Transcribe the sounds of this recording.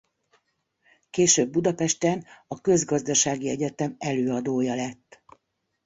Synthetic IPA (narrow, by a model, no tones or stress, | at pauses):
keːʃøːbːud̪ɒpɛʃt̪ɛnɒkø̞zɡɒzd̪ɒʃaːɡiɛɟɛt̪ɛmɛløːɒd̪oːjɒlɛt̪ː